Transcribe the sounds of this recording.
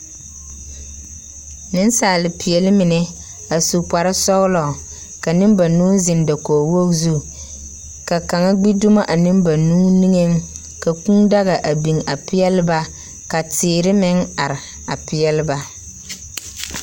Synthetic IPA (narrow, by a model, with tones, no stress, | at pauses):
nɪ˦nsaː˨lɪ˨pɪ˨jɛ˨lɪ˦mɪ˨nɛ˨ | a˨su˨k͡pa˨ɾɪ˦sɔ˦ɣlɔ˨ | ka˨nɪ˦mba˨nuː˦zɪ˨nda˨koː˨wo˦zu˦ | ka˨ka˨ŋa˦ɡ͡bi˦dʊ˦ma˦ʔa˨nɪ˦mba˨nuː˦ni˦ŋe˦ŋ | ka˨ku˦ŋda˦ɣa˨ʔa˨bi˨ŋa˨pɪ˦jɛ˦lɪ˦ba˦ | ka˨tɪː˨ɾɪ˦mɪ˦ŋa˨ɾɪ˨ | a˨pɪ˦ɛ˦lɪ˦ba˦